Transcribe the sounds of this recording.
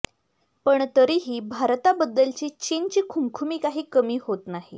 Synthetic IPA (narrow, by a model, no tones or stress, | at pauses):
pəɳt̪əɾiɦiːbʱaɾt̪abəd̪ːəlt͡ɕiːt͡ɕint͡ɕiːkʰumkʰumiːkaɦiːkəmiːɦot̪naɦḭ